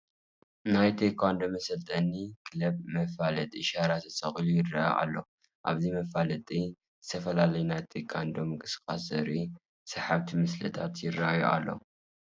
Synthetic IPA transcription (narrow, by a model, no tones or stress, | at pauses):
najt̪ʰekʰand̪omɐsɐlt̪ʰʼɐnikʰɨlɐb̚mɐfalɐt̪ʼiʃaɾat̪ʰɐt͡sʼɐχʼilujɪrːa̰j̰ʔa̰lːo | ʔa̰βzimɐfalɐt̪ʼi | zɨt̪ʰɐfɐlalɐjunajt̪ʰekʰand̪omɨkʼɨsɨ̥kʼasɐɾi | sɐħaβt̪ʰimɨslɐ̰t̪ʰat̪jɪrajuʔa̰lːo̞̰